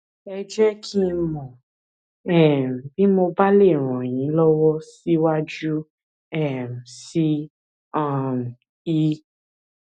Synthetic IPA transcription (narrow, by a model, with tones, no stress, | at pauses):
ɛ˧d͡ʒɛ˦kʰi˦mɔ̃˨ | ɛ˦˨m̩˨bi˦mo˧ba˦le˦˨ɾ̃ɔ̃˨j̃ĩ˨˦lɔ˦wɔ˦si˦wa˦d͡ʒu˦ | ɛ˦˨m̩˨si˦ | ã˦˨m˨ | i˧